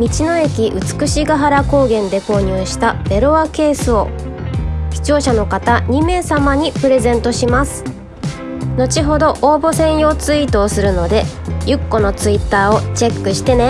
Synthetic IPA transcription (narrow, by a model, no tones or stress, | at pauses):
mʲit͡ɕino̞e̞kʲiʔɯ̟t͡sɨ̥kɯ̟ɕiɡaɦaɾako̞ːɡẽ̞nd̪e̞ko̞ːɲ̟ɨːɕi̥t̪ad̪̥e̞ɾoake̞ːsɨo̞ | çi̥t͡ɕo̞ːɕano̞kat̪aɲ̟ime̞ːsamaɲ̟ipɯ̟ɾe̞zẽ̞nt̪o̞ɕimasɨ̥ | no̞t͡ɕiɦo̞d̪o̞ʔoːbo̞sẽ̞ɰ̃jo̞ːt͡sɨit̪o̞ːsɨɾɯ̟no̞d̪e̞ | jɯ̟kːo̞no̞t͡sɨit̪ːaːo̞t͡ɕe̞kːɯ̟ɕi̥t̪e̞ne̞